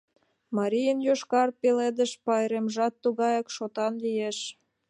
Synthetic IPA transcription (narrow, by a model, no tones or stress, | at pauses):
mɑɾijənjoʃkɑrpeled̪ə̆ʃpɑjɾemʒɑt̪ːuɣɑjɑkʃot̪ɑnlijeʃ